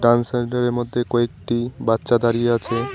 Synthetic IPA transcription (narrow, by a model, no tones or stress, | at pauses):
ʈɾanseɳʈaɾeɾmod̪ʱːekɔek̚ʈibat̪ːɕad̪aɾijeat͡ɕʰe